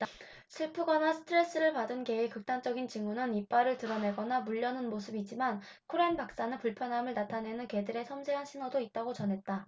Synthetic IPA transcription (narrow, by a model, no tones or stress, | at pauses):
sʰɯɭpʰɯɡanasʰɯ̥tʰɯɾe̞s͈ɯɾɯɭpadɯnke̞ikɯk̚t͈ant͡ɕ͈ʌɡint͡ɕiŋɡunɯnip͈aɾɯɭtɯɾʌne̞ɡʌnamuʎːʌnɯnmosʰɯbid͡ʑ͈iman | kʰoɾenpak̚s͈anɯpuɭpʰjʌnɦamɯɭnatʰane̞nɯnke̞dɯɾe̞sʰʌmsʰeɦanɕʰinʌdoit̚t͈aɡot͡ɕʌnɦe̞t̚t͈a